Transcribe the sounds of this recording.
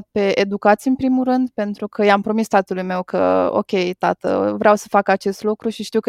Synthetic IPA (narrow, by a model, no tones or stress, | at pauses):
t̪̚pe̞ʔed̪ukat̪sijɨnpɾimulrɨnd̪pe̞nt̪ɾukʰəjampɾo̞mist̪at̪əlujme̞wkʰə̰o̞̰kʲe̞jt̪at̪ə̰vɾeawsə̥fakat͡ʃe̞st̪lukɾuʃiʃt̪iwk